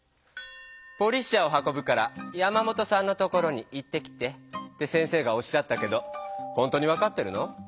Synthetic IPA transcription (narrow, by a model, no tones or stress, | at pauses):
po̞ɾʲiɕaoɦako̞bɯ̟kaɾajamamo̞t̪o̞sãnːo̞t̪o̞ko̞ɾo̞ɲ̟iit̪ːe̞kʲi̥t̪e̞t̪e̞sẽ̞ɰ̃se̞ːɡao̞ɕi̥t͡ɕat̪ːake̞d̪o̞hõ̞nt̪oɲ̟iβ̞akat̪ːe̞ɾɯ̟no̞